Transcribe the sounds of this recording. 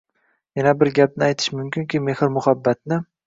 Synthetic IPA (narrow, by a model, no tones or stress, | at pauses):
janabɪɾɡʲap̚nɪajt̪ʰɪ̥ʃmʊmkʲɪŋkʲɪme̞hɪɾmʊhabːat̪̚nɪ